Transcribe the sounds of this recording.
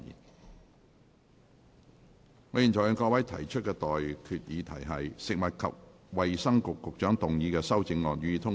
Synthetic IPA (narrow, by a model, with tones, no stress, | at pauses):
ḭ˨˩n | ŋɔː˨˥ji˨nt͡sɔ˨˩jɔ˨˧ŋkɔː˧kwɐ˨˥jt̪ʰɐ˨˩jt͡ʃʰt̚kɛː˧t̪ɔː˨jkʰyː˨t̚jiː˨˧t̪ʰɐ˨˩jɦɐ˨jsɪ˨k̚mɐ˨t̚kʰɐ̰˨p̚ | wɐ˨jsɐ˥ŋkʊ˨kːʊ˨k̚t͡ʃœː˨˥ŋt̪ʊ˨ŋjiː˨˧kɛː˧sɐ˥wt͡sɪ˧ŋlɔː˨k̚jyː˧jiː˨˧t̪ʰʊ˥ŋ